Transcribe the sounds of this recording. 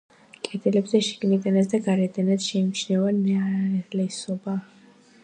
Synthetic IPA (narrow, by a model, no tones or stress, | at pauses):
kʼɛd̪ɛlɛbzɛʃɛ̥ɡ̥nid̪anasd̪aɡaɾɛd̪anad̪ʃɛmt͡ʃʰnɛvannɛalɛsɔba